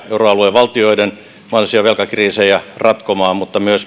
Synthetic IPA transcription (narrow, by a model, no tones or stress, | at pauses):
euroɑlueʋɑlt̪ioiden | mɑnsiɑʋelkɑkriːsejɑrɑt̪komɑːmut̪ːɑmyøs